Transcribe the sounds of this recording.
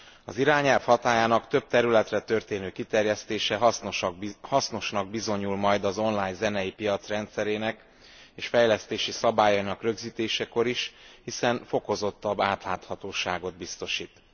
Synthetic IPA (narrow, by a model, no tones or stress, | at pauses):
ɒ̰ziɾaːɲɛlfhɒt̪aːjaːnɒkt̪ø̞b̚t̪ɛɾylɛt̪rɛt̪ørt̪eːnøːkit̪ɛrjɛst̪eːʃɛɦshɒsno̞ʃnɒɡ̚bizo̞ɲulmɒjd̪ɒzo̞nlaːjɲzɛnɛjipijɒt̪srɛnt̪sɛɾeːnɛk | eːʃfɛjlɛst̪eːʃisɒbaːjɒinɒkrø̞ɡziːt̪eːʃɛko̞ɾiʃhisɛnfo̞ko̞zo̞t̪ːɒbːaːt̪laːt̪hɒt̪oːʃaːɡo̞d̪̚bist̪o̞ʃiːt̪